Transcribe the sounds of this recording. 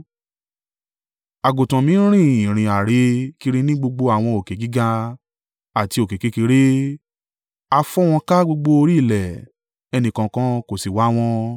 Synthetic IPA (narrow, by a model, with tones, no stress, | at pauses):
a˨ɡo˨tã˨mĩ˨˦ɾ̃ĩ˦˨ĩ˨ɾ̃ĩ˨a˨ɾe˨˧˦ki˧ɾi˧nĩ˦ɡ͡bo˧ɡ͡bo˧a˨w̃ɔ̃˧o˨ke˨ɡi˦ɡa˧ | a˨ti˧o˨ke˨ke˨˦ki˧˦ɾe˦ | a˧fɔ˦w̃ɔ̃˧ka˦ɡ͡bo˧ɡ͡bo˧o˧ɾi˦˨lɛ˨ | ɛ˧nĩ˧˨kã˧kã˦ko˦˨si˨wa˨˦w̃ɔ̃˧